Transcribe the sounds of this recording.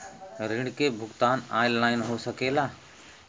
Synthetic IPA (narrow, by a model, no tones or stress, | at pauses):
ɾɪ̃ɳkebʱʊɡt̪aːnaːɪlːaːɪnɦosəkeːlaː